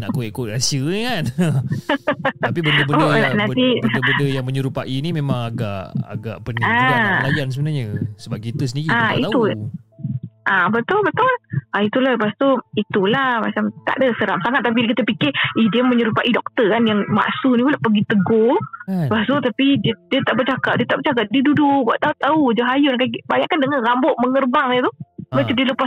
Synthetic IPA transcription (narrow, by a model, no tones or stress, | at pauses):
nakoɛʔkoʔɾasiəkan | apibənəbəona̰ʔnat̪ibədəjaŋməɲəɾupaʔinimemãŋaɡa̰ʔa̰ɡa̰ʔpənalajjansəbənaɲəsəbap̚kit̪əsəndiɾiaḭt̪au | ʔabət̪ʊlbət̪ʊlʔait̪ulahdəpast̪uit̪ulamat͡ʃamt̪a̰ʔdəsəɾamsaŋat̪ːap̬ikit̪əpikɪidiəməɲəɾupaʔidɔk̚t̪əkanjaŋma̰ʔsunipulaʔpəɡit̪əɡoəpast̪ut̪apididiət̪aʔbərt͡ʃakap̚diət̪aʔbərt͡ʃak̬ap̚didudubwaʔt̪aʊʔt̪aud͡ʒoɦajʊnkabaɲaʔkandəŋanrambɔʔməŋərbaŋət̪ubat̪udiələpas